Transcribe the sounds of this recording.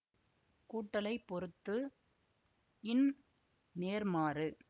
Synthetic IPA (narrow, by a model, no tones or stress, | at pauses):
kuːʈːɐlɐɪpːɔɾɯt̪ːɯ | ɪn | neːɾmaːɾɯ